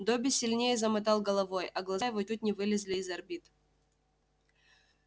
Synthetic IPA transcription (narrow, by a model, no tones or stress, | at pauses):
d̪obʲɪsʲɪlʲnʲejəzɐmɨt̪ɑlˠɡəlˠɐvojɐɡlˠɐjɪvɔtʲut̪̚ʲnʲɪvɨlʲɪzʲlʲɪːzɐrbʲit̪